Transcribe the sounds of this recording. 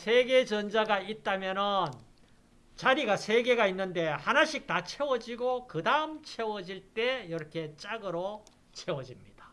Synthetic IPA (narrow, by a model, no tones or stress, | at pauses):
sʰe̞ɡe̞t͡ɕʌnd͡ʑaɡait̚t͈amjʌnɯn | t͡ɕaɾiɡasʰe̞ɡe̞ɡainːɯnde̞hanaɕʰik̚tat͡ɕʰe̞wʌd͡ʑiɡokɯdaɯmt͡ɕʰe̞wʌd͡ʑiɭt͈e̞jʌɾʌkʰe̞t͡ɕ͈aɡɯɾo | t͡ɕʰe̞wʌd͡ʑimɲid̥ḁ